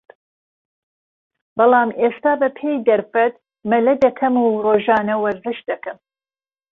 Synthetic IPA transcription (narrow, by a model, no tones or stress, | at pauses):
bɑlˠɑːmʔeːst̪aːbɐpʰeːjd̪ɐɾfɐt̪̚ | mɐlɐd̪ɐkʰɐmuːroːʒɑːnɐwɐɾzɨʃ̚d̪ɐkɨm